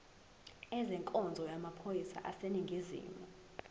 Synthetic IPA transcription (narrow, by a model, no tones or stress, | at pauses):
ɛzɛŋkʼɔnd͡zʱɔjamapʰojisa̰ʔaseniŋɡʱizḭːmɔ